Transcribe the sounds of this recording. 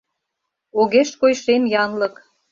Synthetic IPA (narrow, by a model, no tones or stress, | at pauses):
oɣeʃkojʃemjɑnlɤ̆k